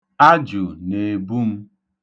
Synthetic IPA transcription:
a˦d͡ʒu˨ne˨bu˦m̩˦

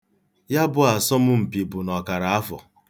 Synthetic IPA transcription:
ja˦bʊ˦a˨sɔ˦mʊ˦m̩˨pi˨bʊ˨nɔ˨ka˨ɾa˨a˦fɔ̰˨

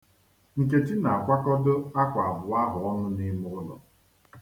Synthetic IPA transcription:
ŋ̩˨k̬e˨t͡ʃi˦na˨a˨kʷa˦kɔ˦dʊ˦a˦kʷa˨a˨bʊ˨a˦ɦʊ˨ɔ˦nʊ˦ni˦mʊ˦ʊ˦lɔ̰˨

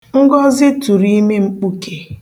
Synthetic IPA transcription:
ŋ̩˦ɡɔ˦zɪ˦tu˨ɾi˦me˦ŋ͡m̩˦k͡pu˦kʰe˨

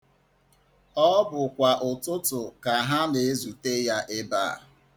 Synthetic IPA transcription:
ɔ˦bʊ˨kʷa˨ʔʊ˨tʊ˦tʊ˨ka˨ɦa˦ne˨e˦zu˨te˦ja˦ʔɪ˦ba̰ː˦˨

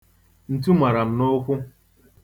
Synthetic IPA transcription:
n̩˨tu˦ma˨ɾa˨m̩˨no˦kʷʊ˦

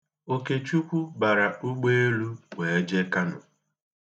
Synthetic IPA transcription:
o˦ke˨t͡ʃu˦kʷu˦ba˨ɾa˨u˦ɡ͡be˦e˦lu˦ŋʷe˨e˦d͡ʒe˦ka˦nʊ̰˨

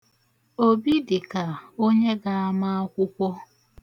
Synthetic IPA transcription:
o˦bi˦dɪ˨ka˨o˦ɲe˦ɡa˨a˦ma˦a˦kʷʊ˦kʷɔ˦

